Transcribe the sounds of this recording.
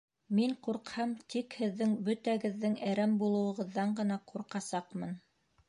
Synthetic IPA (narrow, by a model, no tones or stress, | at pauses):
miɴquɾqhɑmt̪ʰikhɘ̆ðːɘŋbɵ̆t̪æɡɘ̆ðːɘŋæɾæmbulˠɤ̆wɤ̆ʁɤ̆ðːɑɴɢɤ̆nɑqʰuɾqɑsɑqmɤn